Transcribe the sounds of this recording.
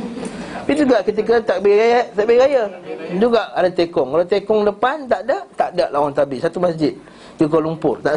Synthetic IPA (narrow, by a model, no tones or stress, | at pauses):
id͡ʒuɡaʔkət̪ik̬ət̪aʔbeɡajat̪aʔbeɡajad͡ʒuɡaʔadat̪ekɔŋkalawt̪ekɔŋdəpant̪aʔdaʔt̪aʔdaʔlawant̪abisat̪umasd͡ʒɪt̪̚ | t̪ik̬olumpʊrt̪aʔ